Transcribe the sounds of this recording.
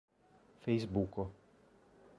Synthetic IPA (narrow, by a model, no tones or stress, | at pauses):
fʲɛjzbukɔ